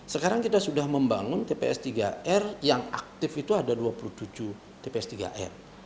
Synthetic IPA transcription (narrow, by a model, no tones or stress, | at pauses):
səkaɾaŋkit̪asudahməmbaŋʊnt̪epḛɛ̰st̪iɡaɛrjaŋa̰k̚t̪ɪfit̪uadaduapuluht̪ud͡ʒu | t̪epeɛst̪iɡa̰ʔɛ̰r